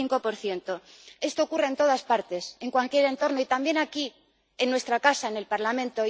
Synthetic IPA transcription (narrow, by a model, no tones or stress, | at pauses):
iŋko̞po̞ɾθje̞nt̪o̞e̞st̪o̞ːkure̞nt̪o̞ðaspaɾt̪e̞se̞ŋkwalkje̞ɾe̞nt̪o̞ɾno̞it̪ambje̞naki | e̞nːwe̞st̪ɾakasaene̞lpaɾlamẽnt̪o̞